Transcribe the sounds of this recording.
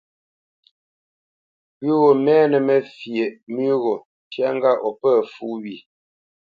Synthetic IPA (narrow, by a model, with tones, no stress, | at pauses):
wʉ˦ɣo˨mɛː˦nə˨mɛ˨fje˨ʔmʉ˦ɣo˨ | tja˦ŋ˦ɡa˦˨ʔɔ˨pə˦˨fu˦wi˨